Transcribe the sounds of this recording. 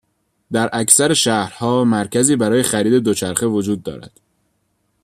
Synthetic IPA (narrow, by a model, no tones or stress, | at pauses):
d̪æɾʔæcsæɾe̞ʃæːhɾhɒːmæɾcʰæziːbæɾɒːje̞xæɾiːd̪e̞d̪ot͡ʃʰæɾxe̞vo̞d͡ʒuːd̪̚ːɒ̰ːɾæ̰d̪̥